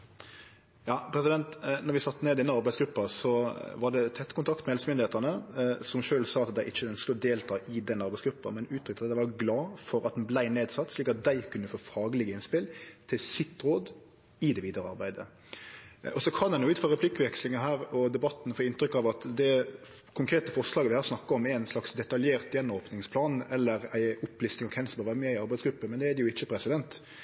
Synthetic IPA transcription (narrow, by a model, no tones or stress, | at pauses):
jɑːpʰɾɛsɪd̪ɛnt̪nɔɾʋɪsɑt̪ːəneːd̪ɪɛnːəɑɾbæɪsɡɾʉpːɑsɔʋɑɖɛt̪ʰɛt̪ːkʊnt̪ʰɑkt̪mɛɛlsəmʏnd̪ɪeːt̪ɑnəsɔmʃøːlsɑːɑt̪d̪æɪʔɪçːəœnskəlɔd̪eːlt̪ʰɑːʔɪd̪ɛnːəɑɾbæɪsɡɾʉpːɑ̰mɛnʉːt̪ɾʏkːt̪ɑd̪d̪æɪʋɑɾɡlɑːfɔɾɑt̪̚dɛnblæɪneːd̪sɑt̪ːsliːkɑt̪̚d̪æɪkʰʉnːəfoːfɑːɡəlɪɡəɪnspɪlt̪ʰɪlsɪt̪ːɾoːd̪ | ɪd̪ɛʋiːd̪ɑɾəɑ̰ɾbæɪd̪ə̰ | ɔsɔkʰɑndɛnjʊʉːt̪føɾʁɛplɪkːʋɛkslɪŋəɦæːɾɔd̪ɛbɑt̪ːnfoːɪnt̪ɾʏkːɑʋɑt̪d̪ɛ | kʰʊŋkʰɾeːt̪əfɔɾʂlɑːɡəʋɪhɑːɾsnɑkːɑɔmæɪnslɑksd̪ɛt̪ɑljeːɾt̪jɛnːmɔːpnɪŋspʰlɑːnɛlːəɾæ̰ɪʊplɪsɪŋɔkʰɛnsbɑːʋɑːɾəmɛːɪɑɾbæɪsɡɾʉpːəmɛnd̪ɛæd̪ɛjʊɪçːəpʰɾɛsɪd̪ɛnt̪